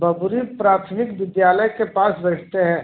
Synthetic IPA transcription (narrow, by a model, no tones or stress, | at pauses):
bɐbuɾipɾaːt̪ʰəmɪkʋɪd̪jaːləjkepaːsbɛːʈʰt̪eɦɛ̃ː